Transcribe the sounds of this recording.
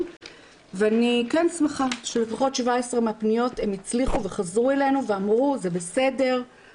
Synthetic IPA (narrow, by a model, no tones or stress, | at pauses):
veanikensmeχaʃelefaχo̞t̪ʃvaesʁemeapnijo̞te̞mit͡sliχuve̞χazʁuele̞jnuveamʁuze̞bese̞de̞ʁ